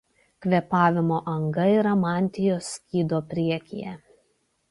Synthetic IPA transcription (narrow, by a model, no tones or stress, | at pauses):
kʋʲɛpɑːʋʲɪmoːʔɐŋɡɐiːɾɐmɑːnʲt̪ʲɪjoːskʲiːd̪oːpʲɾʲiɛkʲɪjɛ